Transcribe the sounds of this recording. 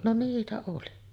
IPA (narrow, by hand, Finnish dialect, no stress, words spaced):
no niːtæ oli